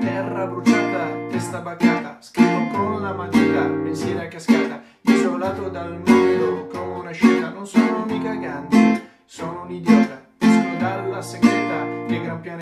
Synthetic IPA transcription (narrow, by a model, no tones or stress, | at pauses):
ɛrːabɾut̪aːt̪at̪ɛst̪abakaːt̪askɾivokonlamat̪iːɾapensjɛːɾakːaskaːt̪a | izolaːt̪od̪alnumeɾokomeunaʃiːt̪anonsonounikaɡand̪i | soːnounid̪jɔːt̪ad̪iskut̪aɾlaseŋkɾit̪aleɡɾampjaːn